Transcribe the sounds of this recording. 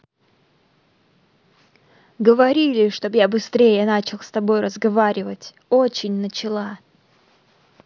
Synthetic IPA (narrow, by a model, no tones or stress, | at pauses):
ɡəvɐɾʲilʲɪʂt̪objabɨst̪ɾʲejənat͡ɕɪlˠst̪ɐbo̞jrəzɡɐvaɾʲɪvətʲ | ot͡ɕɪnʲnət͡ɕɪlˠa